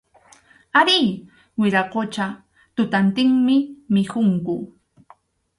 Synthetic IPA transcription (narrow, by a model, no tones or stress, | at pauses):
aɾiː | wɪɾaqot͡ʃa | t̪ʊt̪ant̪ɪŋmɪmɪkʊŋkʊ